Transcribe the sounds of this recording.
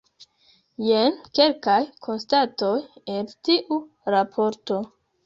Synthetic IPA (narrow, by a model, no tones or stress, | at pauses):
jenke̞lkajkʰo̞nstato̞jeltiʔu | ɾapʰo̞ɾto̞